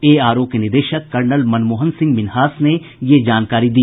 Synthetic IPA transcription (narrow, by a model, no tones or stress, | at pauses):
eːaːɾoːpijənɪɾd̪eːʃəkːɐɾnəlmɐnmoːɦənsɪ̃ŋɡʋɪnɦaːsne | jed͡ʒaːnkaːɾid̪iː